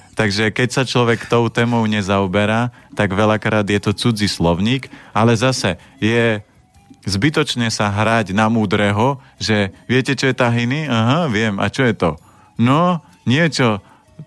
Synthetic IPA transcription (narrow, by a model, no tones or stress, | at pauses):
t̪aɡʒɛkɛcsat͡ʃlɔʋɛkt̪ɔʊt̪ɛːmɔʊɲɛzaɔbɛɾaːt̪aɡʋɛʎakɾaːd̪jɛt̪ɔt͡sud͡zislɔʊɲiːkalɛzasɛ | jɛ | zbit̪ɔt͡ʃɲɛsaɦɾaɟnamuːd̪ɾɛɦɔ | ʒɛʋɪɛcɛt͡ʃɔjɛt̪aɦiniaɦaʋɪɛma̰t͡ʃɔjɛt̪ɔ | nɔ | ɲɪɛt͡ʃɔ